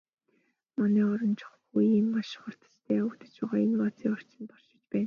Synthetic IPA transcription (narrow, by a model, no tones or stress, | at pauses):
mɔniːɔɾɞ̆nt͡ɕʰʊ̥χxujiːmmaʃχʊr̥t̪ə̥̆t͡ɕt̪ʰeːɵkt̪ə̆t͡ɕpæːʁaːenpɔt͡siːɔr̥t͡ɕʰɪ̆nt̪ɔr̥ʃɪ̆t͡ɕpæːn